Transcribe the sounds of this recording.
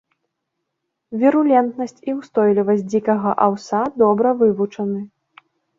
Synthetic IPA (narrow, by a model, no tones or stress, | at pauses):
vʲiɾulʲɛnt̪nɐsʲt͡sʲiwst̪ɔjlʲivɐsʲtʲd͡zʲikɐɣɐʔawsad̪ɔbɾɐvɨvut͡ʂɐnɨ